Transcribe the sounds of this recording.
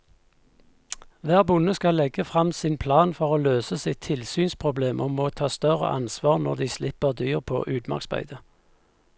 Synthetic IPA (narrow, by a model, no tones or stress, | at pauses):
ʋæːʁbʊnəskɑlɛɡəfʁɑmsɪːnpʰlɑːnfɔʁoːløːsəsɪt̪ʰːɪlsyːnspʰʁʊbleːmʔoːmoːt̪ʰɑːst̪œʁə̰ʔɑ̰nsʋɑːʁnɔʁd̪iːslɪpəʁd̪yːʁpʰo̰ːʔʉːd̪mɑ̰ksbæ̰ɪd̪ə